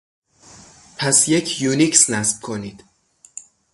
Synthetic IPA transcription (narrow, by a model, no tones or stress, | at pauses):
pʰæsjecʰjuniksnæsb̥̚kʰoniːd̪̥